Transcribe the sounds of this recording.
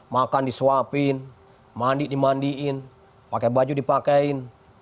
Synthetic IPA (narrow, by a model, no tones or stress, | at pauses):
makandisuapin | mandiʔdimandiʔin | pakɛbad͡ʒudipakɛin